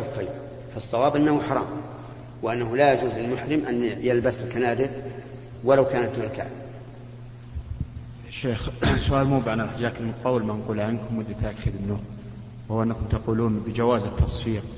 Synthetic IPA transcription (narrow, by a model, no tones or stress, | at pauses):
afi | fɑsˤːɑwɑːbʔɪnːahʊħɑɾˤɑ̰ːm | wɪʔanːaɦʊlajad͡ʒuːzlɪlmʊħɾɪmʔanjɪlbaslkanaːd̪ɪ | walawkaːnat̪mʊka̰ːʕ | aʃeːxsʊʔaːlmuːbʕanalħad͡ʒaːt̪ɪlmʊq̪ɑːwːɪlmanquːlʕankʊmwʊd̪ːat̪ʔakːad̪ʔɪnːʊ | whʊwːʔɪnːakʊmt̪aquːluːnbɪd͡ʒawaːzɪt̪ʰːɑsˤfiːq̚